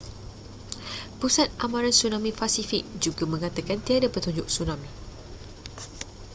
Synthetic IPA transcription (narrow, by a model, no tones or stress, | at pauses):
pusat̪̚ʔamãɾansunãmĩpasifik̚d͡ʒuɡamə̃ŋat̪akant̪iadapət̪uɲd͡ʒʊk̚sunãmĩ